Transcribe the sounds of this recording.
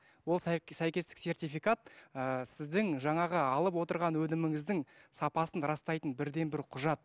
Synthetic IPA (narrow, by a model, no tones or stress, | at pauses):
wo̞lˠsæjkʲe̞st̪ɪ̥kse̞rt̪ijfijkat̪̚əsɪzd̪ɪŋʒɑɴɑʁəɑlˠəp̬wo̞t̪əɾʁɑnwɵnɪmɪŋɪzd̪ɪŋsɑpɑsənɾɑst̪ɑjt̪ənbɪɾd̪e̞nbɪɾqʰʊʒɑt̪̚